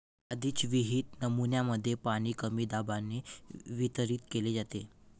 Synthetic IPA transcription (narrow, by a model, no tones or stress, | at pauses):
əd̪ʱiːt͡sʋiɦiːt̪̚nəmunjaməd̪ʱːjepaɽ̃iːkəmiːd̪abanːeʋit̪əɾiːt̪keled͡zat̪e